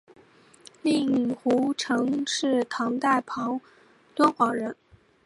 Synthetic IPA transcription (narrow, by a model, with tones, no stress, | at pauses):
li˥˩ŋ˨˩xu˧˥ʈ͡ʂʰɤ˧˥ŋʂɻ̩˥˩t̪ʰɑ˧˥ŋt̪a˥˩ɪpʰɑ˧˥ŋ | t̪wə˥nxwɑ˨˧˥ŋɻə˧˥n